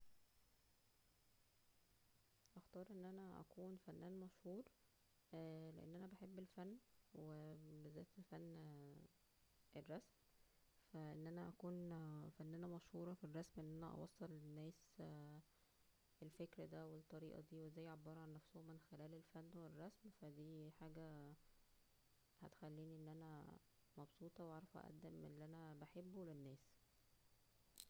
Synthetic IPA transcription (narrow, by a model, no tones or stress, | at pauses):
ʔæxt̪ɑːɾˤʔenːʔænæʔæ̰kuːnfænːæːnmæʃhuːɾ | lḛʔḛnːʔænæbeħebːelfænːwebezæːt̪fænː | ʔerˤːɑsm | fæʔenːʔænæʔækuːnfænːæːnæmæʃhuːɾˤɑfirˤːɑsmʔenːʔænæʔɑ̰wɑ̰sˤːɑlnːæːs | elfekɾd̪æwet̪ˤːɑɾiːʔɑ̰d̪iːwezæːjːʕobːɑːɾˤɑʕanːæfsohomːenxelæːlelfænːwerːɑsmfæd̪iːħaːɡæ | hæ̰t̪e̥xælːiːniʔenːʔænæ | mɑbsˤuːt̪ˤɑweʔɑʕɾˤɑfʔæ̰ʔæ̰d̪ːemʔḛlːiʔænæbaħebːulenːæːs